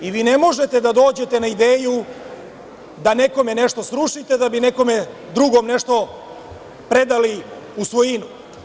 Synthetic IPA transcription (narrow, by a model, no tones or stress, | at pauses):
iʋiːne̞mo̞ʒe̞t̪e̞d̪ad̪o̞ːd͡ʑe̞t̪e̞naid̪eːju | d̪ane̞ko̞me̞ne̞ʂt̪o̞sɾuʂit̪e̞d̪abine̞ko̞me̞ | d̪ɾuɡo̞mne̞ʂt̪o̞ | pɾe̞d̪ali | usʋojinu